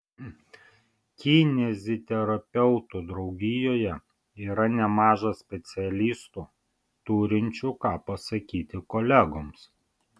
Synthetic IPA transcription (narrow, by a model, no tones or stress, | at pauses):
kʲɪnʲɛzʲɪt̪ʲɛɾɐpʲɛʊt̪uːd̪ɾɒʊɡʲɪjoːjɛ | iːɾɐnʲɛmɑːʒɐsʲpʲɛt̪sʲɪɛlʲiːst̪uː | t̪uːɾʲɪnʲt͡ʃʲuːkɑːpɐsɐkʲiːt̪ʲɪkɔlʲæɡoːms